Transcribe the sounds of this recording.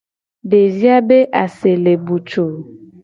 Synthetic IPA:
de˨zi˦a˦be˦ʔa˨se˨le˨bu˨t͡ʃo˨

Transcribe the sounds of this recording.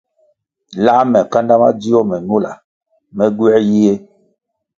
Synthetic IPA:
la˦mɛ˨ka˦nda˦ma˦d͡zi˦ɔ˦mɛ˨nu˦la˨ | mɛ˦ɡwɛ˦ji˦e˦

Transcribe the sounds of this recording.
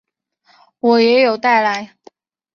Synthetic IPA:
wɔ˨˩jɛ˧˥jo˨˩ʊt̪a˥˩ɪla˧˥ɪ

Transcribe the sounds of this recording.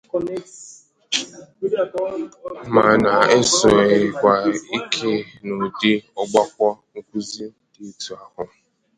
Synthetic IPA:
ma˨na˨e˦sʊ˨e˨kʷa˦i˦kʰe˦no˨dɪ˦ɔ˦ɡ͡ba˦kʷɔ˦ŋ̩˦kʷu˦zi˦ | di˨˦tu˨a˨hʊ˨

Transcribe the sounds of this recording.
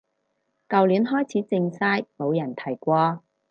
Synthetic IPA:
kɐ˨˧wliː˨˥nɦɔː˥jt͡sʰiː˨˥t͡sɪ˧ŋsaː˥jmo˨˧wjɐ˨˩nt̪ʰɐ˨˩jkʷɔː˧

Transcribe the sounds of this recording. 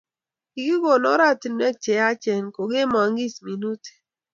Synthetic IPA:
ki˨ɡi˦ɡo˨nɔ˦ɾa˦˨ti˨nɛ˦k̚t͡ʃɛ˨a˦t͡ʃɛ˨nko˨ɡe˦mɔ˨ŋɡi˦smi˨nu˦te̥˨

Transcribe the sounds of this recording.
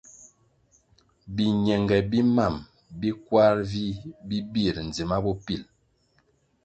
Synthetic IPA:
bi˨ɲɛ˨ŋɡɛ˨bi˦ma˦˨m | bi˦kwa˦ɾvi˦bi˦bi˦˨ɾn˨d͡zi˨ma˦bɔ˦pi˨l

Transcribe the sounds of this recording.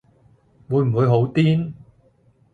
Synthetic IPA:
wuː˨˧jm̩˨˩wu˨˧jɦo˨˥wt̪iː˥n

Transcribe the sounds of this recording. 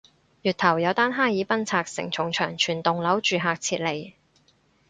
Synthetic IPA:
jyː˨t̪ʰɐ˨˩wjɐ˨˧wt̪aː˥nɦaː˥jiː˨˥pɐ˥nt͡sʰaː˧k̚sɪ̰˨˩ŋt͡ʃʰʊ˨˩ŋt͡ʃʰœː˨˩ŋt͡ʃʰyː˨˩nt̪ʊ˨ŋlɐ˨˥wt͡ʃyː˨˧ɦaː˨k̚t͡sʰiː˧t̚le˨˩j

